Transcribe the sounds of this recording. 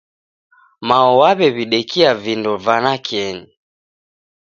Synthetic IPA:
maɔwaβɛβiɗɛkiavindɔvanakiɛni

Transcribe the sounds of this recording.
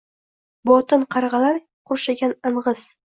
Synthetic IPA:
bɒt̪ɪnqʰɑɾʁɑlaɾ | qʰʊɾʃaɡʲanɨɴʁɨz̥

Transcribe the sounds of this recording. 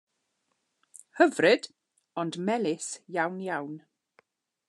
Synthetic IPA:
həvrɨd̥ | ɔndmɛlɪsjawnjawn

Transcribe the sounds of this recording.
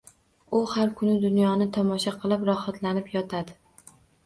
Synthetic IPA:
ʊhaɾkʰʊnɪd̪ʊnjɒnɪt̪ʰɒmɒʃaqʰɨlˠɪpɾɒhat̪ʰlanɪpjɒt̪ʰad̪ɪ

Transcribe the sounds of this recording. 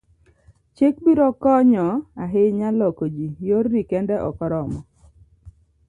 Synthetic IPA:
t͡ʃek̚biɾɔkɔɲɔaɦɪɲalɔkod͡ʒijoɾnikɛndɛʔɔ̰kɔɾɔmɔ

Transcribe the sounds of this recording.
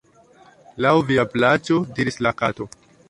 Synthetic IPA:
lawviaplat͡ʃo̞diɾislakato̞

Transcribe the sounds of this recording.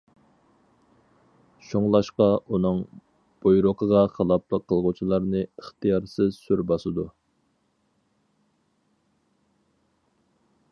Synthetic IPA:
ʃoŋlˠɑʃqɑʔunɨŋ | b̥ojɾʊqʰəʁɑχɑlˠɑpʰlˠəqʰːəlˠʁʊt͡ʃʰilˠɑɾnɨəχt̪ʰijɑɾsɪzsyɾbɑsɨd̪u

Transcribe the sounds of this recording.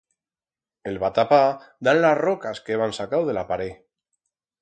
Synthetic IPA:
e̞lβat̪apad̪anlazro̞kaskeβansakawðe̞lapaɾe

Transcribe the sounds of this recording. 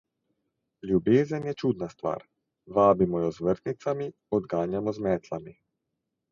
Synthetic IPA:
lʲjubeːzənjɛt͡ʃuːd̪nast̪ʋa̰ːɾ | ʋaːbimɔjɔzʋəɾt̪nit̪sami | ɔd̪ɡaːnjamɔzmɛːt̪ʰlami

